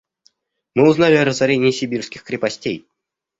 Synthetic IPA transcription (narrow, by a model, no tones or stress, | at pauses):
mɨuznalʲɪaɾəzaɾʲenʲɪjisʲɪbʲirskʲɪxkɾʲɪpɐsʲtʲḛj